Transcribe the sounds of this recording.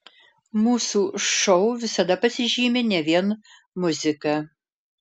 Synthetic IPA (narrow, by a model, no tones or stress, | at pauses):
muːsuʂɔʊʋʲɪsɐd̪ɐpɐsʲɪʒʲiːmʲɛnʲɛʋʲiɛn | mʊzʲɪkɐ